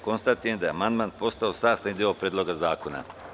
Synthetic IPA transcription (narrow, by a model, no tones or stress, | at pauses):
ko̞nst̪at̪ujend̪ajeamand̪maːnpo̞st̪aosaːst̪anid̪io̞pɾʲeːd̪lˠo̞ɡazaːko̞na̰